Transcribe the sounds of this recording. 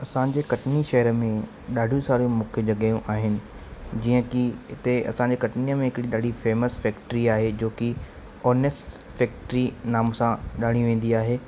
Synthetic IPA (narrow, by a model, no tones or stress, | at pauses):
ɐsãd͡ʑeːkɐʈniʃɐɦəɾəmẽ | ɗaːɖʱũsaːɾjũmʊːkʰjəd͡ʑɐɠaːjũʔaːɦɪnɪ̆ | d͡ʑiːə̃kiɪt̪eɐ̰sãɲd͡ʑeːkɐʈniəmẽɦɪkɽiɗaːɖʱifeːməsfɛːkʈəɾiaːɦed͡ʑoːki | ɔːnes | fɛːk̚ʈɾinaːmsãɗaːɽ̃iʋẽːn̆d̪iaːɦeː